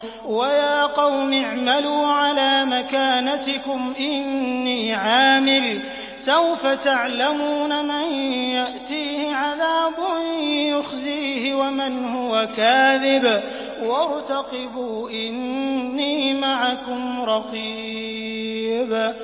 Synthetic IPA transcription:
wajaːqɑwmɪʕmaluːʕalaːmakaːnat̪ɪkʊmʔɪnːiːʕaːmɪl | sawfat̪aʕlamuːnamanjaʔt̪iːhɪʕaðaːbʊjʊxziːhɪwamɪnhʊwakaːðɪb | wɑɾˤt̪ɑqɪbuːʔɪnːiːmaʕakʊmɾˤɑqiː | b

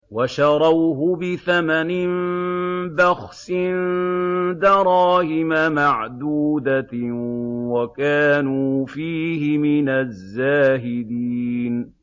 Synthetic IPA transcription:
waʃɑɾˤɑwɦʊbɪθamanɪm | baxsɪn | d̪ɑɾˤɑːhɪmamaʕd̪uːd̪a | wakaːnuːfiːhɪmɪnazːaːɦɪd̪iːn

